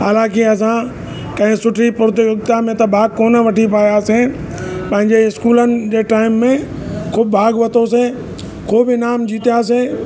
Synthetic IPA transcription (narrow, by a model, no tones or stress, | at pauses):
aːlãːkiɐs̬ã | kɐ̃ɦɪ̃sʊʈʰipʊɾt̪ɪɪk̚t̪amẽt̪ɐbʱaːɡ̚koːnəʋɐʈʰipaːjaːse | pɐ̃ɦɪ̃ɲd͡ʑeɪskuːlənɪ̆d͡ʑeːʈaːɪmːẽ | kʰʊːb̚bʱaːɡʋɐt̪os̬e | kʰoːbɪnaːmd͡ʑiːt̪ijas̬e